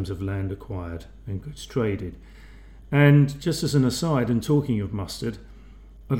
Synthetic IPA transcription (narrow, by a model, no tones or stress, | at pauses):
mzʌvlæ̃ndɨkʰw̥aɪə˞ɾ | ɨ̃nɡʌstʰɹ̥eɪɾɪd | ɨ̃nd͡ʒʌstɨzɨ̃nəsaɪɾɨ̃ntʰɔkɪ̃ŋʌvmʌstə˞ɾ | ə